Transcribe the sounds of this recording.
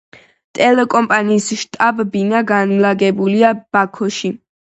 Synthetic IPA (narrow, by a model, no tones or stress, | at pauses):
t̪ʼɛlɛkʼɔmpʼaniːsʃt̪ʼabbinaɡanlaɡɛbuliab̥akʰɔʃi